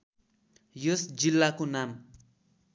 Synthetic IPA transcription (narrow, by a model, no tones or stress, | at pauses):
josd͡zilːakonam